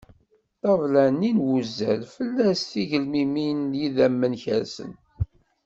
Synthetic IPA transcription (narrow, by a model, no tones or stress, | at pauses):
t̪ˤɑvlæninwuzːæ̰lfəlːæsθiʝəlmiminjiðæmːənçə̰ɾsə̰n